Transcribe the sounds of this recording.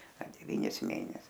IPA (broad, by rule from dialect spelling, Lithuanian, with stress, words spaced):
ɐ dʲɛˈʋʲiːnʲɪs ˈmʲeːnʲɛs